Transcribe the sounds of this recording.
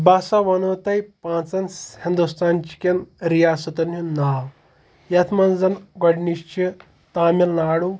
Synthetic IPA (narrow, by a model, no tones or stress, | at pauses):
baːsaʋɐnot̪ɐjpãːt͡sɐnhind̪ust̪ʰant͡ʃi̥kʲenɾijasut̪ɐninaw | jat̪ʰmɐnd͡zɐnɡɐɽniʃt͡ʃi | t̪aːmilnaːɽu